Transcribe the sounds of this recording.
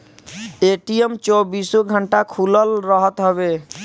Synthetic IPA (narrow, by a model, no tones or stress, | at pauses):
eʈijemt͡ʃɔbisõɡʱəɳʈakʰuləlɾəɦət̪ɦɔbe